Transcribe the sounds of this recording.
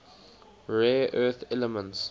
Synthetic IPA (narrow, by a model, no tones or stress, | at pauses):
ɹɛːʔɜθɛləmə̃nts